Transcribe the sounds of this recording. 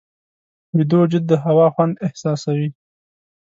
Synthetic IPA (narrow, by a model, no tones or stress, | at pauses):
wɪd̪od͡ʒɪd̪̚ːəɦawɑxwand̪ɪhsɑsawi